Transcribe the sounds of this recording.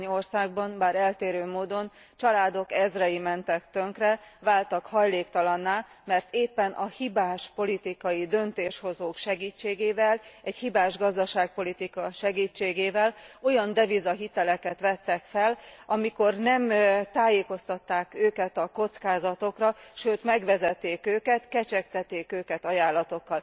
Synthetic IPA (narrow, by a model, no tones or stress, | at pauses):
ɲorsaːɡ̚bɒnbaːɾɛlt̪eːɾøːmoːd̪o̞n | t͡ʃɒlaːd̪o̞kɛzrɛjimɛnt̪ɛkt̪ø̞ŋkrɛvaːlt̪ɒkhɒjleːkt̪ɒlɒnːaː | mɛrt̪ʰeːpːɛnʔɒhibaːʃpo̞lit̪ikɒjid̪ø̞nt̪eːʃho̞zoːkʃɛɡiːt͡ʃːeːɡeːvɛlɛchibaːʒɡɒzd̪ɒʃaːk̚po̞lit̪ikɒʃɛɡiːt͡ʃːeːɡeːvɛlo̞jɒnd̪ɛvizɒɦit̪ɛlɛkɛt̪ʋɛt̪ːɛkfɛlɒmiko̞rnɛmt̪aːjeːko̞st̪ɒt̪ːaːkøːkɛt̪ɒko̞t̪skaːzɒt̪o̞krɒʃøːt̪mɛɡʋɛzɛt̪ːeːkøːkɛt̪kɛt͡ʃɛkt̪ɛt̪ːeːkøːkɛt̪ɒjaːlːɒt̪o̞kːɒl